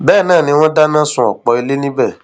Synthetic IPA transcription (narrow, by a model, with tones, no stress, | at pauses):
bɛ˦˨nãː˦˨nĩ˧w̃ɔ̃˦da˦nã˦sũ˧ɔ̰˨k͡pɔ˧i˧le˦nĩ˦bɛ˦˨